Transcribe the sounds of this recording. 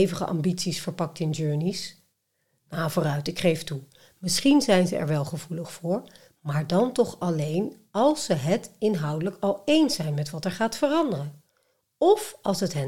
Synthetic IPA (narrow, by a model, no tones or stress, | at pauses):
jvəχə̰ʔɑ̰mbitsisfəɹpɑk̚tɪnd͡ʒøːɹnis | navʊːrœɥtɪkχejftu | mɪsχinzɛjnzəɛ̰ɹʋɛlˠχəvuləχfʊːɹ | maːɹdɑntɔχɑlejn | ɑlˠsəɦətɪnɦɑwdələkɑlˠejnsɛjnmɛtʋɑtɛɹχaːtfərɑndərən | ɔfɑlˠsɦətɦə